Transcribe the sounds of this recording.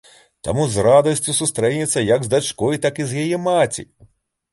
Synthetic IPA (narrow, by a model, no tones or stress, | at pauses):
t̪a̰muzrad̪ɐsʲt͡sʲusust̪ɾɛnʲɛt̪sːɐjɐɡzd̪at͡ʂkɔjt̪akizjajɛmat͡sʲḭ